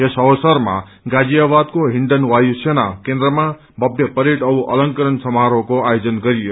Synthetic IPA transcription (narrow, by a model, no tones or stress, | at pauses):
esʌwsʌrma̰ | ɡad͡zijabad̪̚koɦiɳɖʌnwajusenakend̪ɾʌma | bʱʌbjʌpʌɾiʈʌuʔʌlʌŋkʌɾʌnsʌmɦaɾokoajod͡zʌnɡʌɾijo